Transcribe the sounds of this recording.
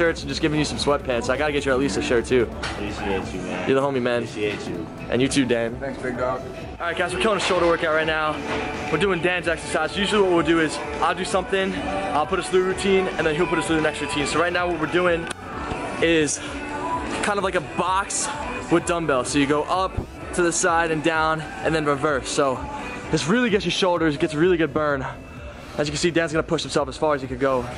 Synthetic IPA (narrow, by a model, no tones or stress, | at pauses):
ɜ˞tsd͡ʒʌsɡ̥ɪvɪ̃ŋjɨsʌ̃mswɛpʰæ̃nsoʊaɪɡɑɾɨɡɛt͡ʃə˞ətˡlistɨʃɜ˞tʰʉ | jə̰˞ðəɦõʊ̃mimæ̃n | ʔɨ̰̃njʉtʰʉb̚dæ̃næsb̥̚ | ʔɑɹaɪɡ̥aɪzwəɹkʰɪlˠɪ̃ŋɨʃoʊlˠɾəwɜ˞kaʊt̚ɹaɪtⁿnaʊwɨɹdʉɪ̃ŋdæ̃nzɛksə˞saɪz̥jʉʒl̩ˠiwʌt̚wilˠdɨɪz | ʔaɪlˠdɨsʌ̃mθɪ̃ŋaɪlˠpʰʊɾʌsθʉɹʉtʰĩnɨ̃nðɨ̃nɦilˠpʊɾʌslʉðɨnɛkstəɹʉtʰĩnsoʊɹaɪtⁿnaʊwʌt̚wɨɹdʉɪ̃ŋ | ɪz̥ | kʰãɪ̃ndʌvlaɪkəbɑkswɨðdʌ̃mbɛlˠsoʊjɨɡoʊʔʌp̚ | tʰɨðɨsaɪɾɨ̃ndãʊ̃nʔɨ̃nðɨ̃nɹɨvɜ˞soʊ | ɨtsɹɪlˠiɡɛt͡ʃəʃoʊlˠdə˞zɨɡɛtsəɹɪlˠiɡʊd̚bɜ̃˞n | ɨz̬jɨkɨ̃nsidæ̃nzɡʌ̃nəpʰʊʃhm̩sɛlˠfəz̥fɑɹɨzjɨkɨ̃n̚ɡoʊ